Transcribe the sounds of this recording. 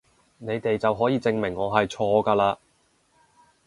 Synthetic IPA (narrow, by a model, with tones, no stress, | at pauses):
ne˨˧jt̪e˨jt͡sɐ˨wɦɔː˨˥jiː˨˧t͡sɪ˧ŋmɪ˨˩ŋːɔː˨˧ɦɐ˨jt͡ʃʰɔː˧kaː˧laː˧